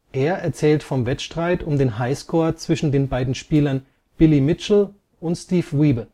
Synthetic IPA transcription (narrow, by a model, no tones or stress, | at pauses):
ʔeːɐʔɛɐt͡sɛːltfɔmvɛtʃtʁ̥aɪtʊmdeːnɦaɪskʰoːɐt͡sv̥ɪʃn̩deːnbaɪdn̩ʃpiːlɐn | b̥ɪlimɪt͡ʃl̩ | ʔʊntstiːfʁiːbə